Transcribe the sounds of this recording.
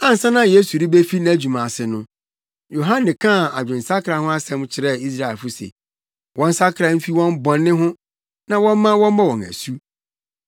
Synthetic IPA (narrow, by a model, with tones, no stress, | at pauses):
ã˦n̩˨sã˦nã˦je˦su˨ɾi˦be˦fi˦ñ˦æ˦˨d͡ʑᶣu˨mã˨sɪ˨nʊ̃˦ | jo˨ɦã˦nːɪ̃˨kʰã˦˨a̰˨d͡ʑᶣɪ̃˨n̩˨sa˦kʰɾa˨hʊ̃˦a˦sɛ̃˨˦m˦t͡ɕʰɪ˨˦ɾɛ˦i˦s̬ɾa˦˨lfʊ˦sḛ˨ | wʔɔ̃˦n̩˦sa˦kʰɾa˨˦m̩˦fi˦wɔ̃˦m˦bɔ̃˨nːɪ̃˦ɦʊ̃˦ | nã˨wɔ̃˦m˦mã˦wɔ̃˦m˦mã˦wɔ̃˨ŋæ̰˨su˦